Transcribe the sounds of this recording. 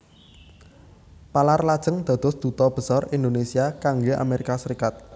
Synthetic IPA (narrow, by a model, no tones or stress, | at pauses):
palarlad̥ʒ̥ə̤ŋd̪̥ä̤d̪̥ɔ̤sd̪̥ṳt̪ɔb̥ə̤sɔrind̪onesiakaŋɡeʔa̰meɾikasəɾikat̪̚